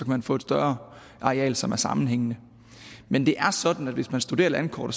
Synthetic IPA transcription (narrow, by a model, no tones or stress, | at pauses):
ɒ̽kʰæmænfɔ̰̽ːe̝d̥sd̥ɶɐ | ʔɑ̈ʁiɛ̰ːlsɒ̽mæɐsɑ̈mn̩ɦeŋ̰nə | mend̥e̝ʔæɐsɒ̽d̥n̩æd̥ʋe̝smænsd̥ud̥e̝̰ɐlænkʰɒ̰ːɾ̥ɐ